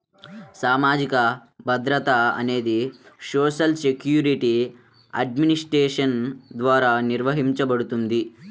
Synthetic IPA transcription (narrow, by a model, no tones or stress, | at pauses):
saːmaːd͡ʒikɐbʱɐd̪ɾɐt̪aɐ̰neːd̪isoːʃɐlsekjuːɾiʈi | ɐ̰ɖ̚minisʈɾeːʂɐnd̪ʋaːɾaniɾʋɐɦimt͡ʃɐpɐɽut̪und̪i